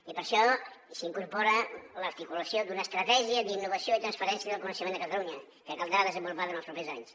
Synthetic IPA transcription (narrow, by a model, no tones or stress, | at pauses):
ipəɾʃɔ | siŋkuɾpɔɾələɾt̪ikuləsjod̪unəːst̪ɾət̪ɛʒiəd̪inːuβəsijoit̪ɾənspəɾɛnsiəðəlˠkunəʃəmend̪əkət̪əluɲə | kəkalˠd̪ɾaðəzəmbulupaðənəlspɾupezaɲs